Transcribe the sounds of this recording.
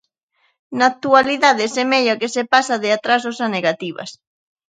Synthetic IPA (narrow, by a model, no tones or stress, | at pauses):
naːk̚t̪ualiðaðesemeʎakesepasaðɪat̪ɾasosaneɣat̪iβɐ̰s